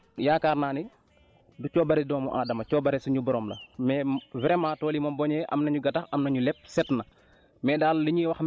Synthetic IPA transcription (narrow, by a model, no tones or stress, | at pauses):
jaːkaːrnaːni | ducɔːbɐɾɛdɔːmṵʔa̰ːdɐmɐcɔːbɐɾɛsuɲubɔɾɔːmlɐmɛːvɛɾɛmaːtɔːlimɐmbɔːɲɛʔɐ̰mnɐɲuɡɐtɐxɐmnɐɲulɛp̚sɛtnɐ | mɛːdaːlːiɲiːwɐxm